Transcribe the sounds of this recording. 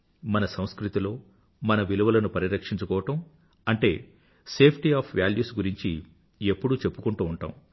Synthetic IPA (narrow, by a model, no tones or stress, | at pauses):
mɐnɐsɐw̃skɾit̪ilo̞ː | mɐnɐʋiluʋɐlɐnupɐɾiɾɐkʂiɲt͡ʃukɔːʋɐʈɐm | ɐɳʈe̞ː | se̞ːpʰʈiaːpʰʋjaːljuːsɡuɾiɲt͡ʃi | epːuɽut͡ʃe̞pːukuɳʈuːɳʈa̰ːm